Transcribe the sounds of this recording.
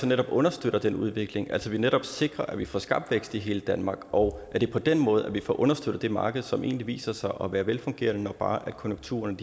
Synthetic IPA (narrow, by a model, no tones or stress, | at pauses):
sɒneɾ̥ɒ̽b̥ɔ̽nɐsd̥øɾ̥ɐd̥enuð̞ˠʋe̝ɡ̥le̝ŋʔælsɒʋineɾɒ̽b̥se̝ɡ̥ʁɐʔæʋifɒ̰sɡ̥ɑ̈b̥̚d̥ʋeɡ̥sd̥iɦe̝ːləd̥ænmɑ̈ːɡ̥ʔɒ̽ʊʔæɐd̥e̝pʰɒ̽d̥enmɔ̽ːð̞̩ˠæʋifɒ̰ʔɔ̽nɐsd̥ød̥̩əd̥e̝mɑ̈ːɡ̥əð̞̩ˠsɒ̽mʔe̝̰ːnliʋḭːsɐsɑ̈ɪʔɒ̽ʋæːɐʋelfɔ̽ŋɡ̥e̝ːɐnənɒ̽ɡ̥̚b̥ɑ̈ːʔæd̥̚kʰɔ̽njoŋt͡sʰṵːɐnəd̥